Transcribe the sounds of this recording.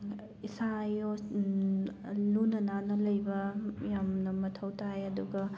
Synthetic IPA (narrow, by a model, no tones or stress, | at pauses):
isajo | lunɐnanɐlɐjbɐjamnɐmɐtʰɐwtʰajɐduɡɐ